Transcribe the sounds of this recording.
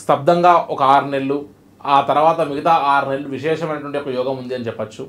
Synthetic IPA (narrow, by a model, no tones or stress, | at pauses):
st̪ɐb̚d̪ʱɐŋɡaːʔɔkɐaːɾnelːu | aːt̪ɐɾuʋaːt̪ɐmiɡɐt̪aːaːɾne̞ɭːuʋiʃɛːʂɐmɐjnɐʈ̬ʋɐɳʈiokɐjɔːɡɐmund̪iɐnit͡ʃɛpːɐt͡ʃːu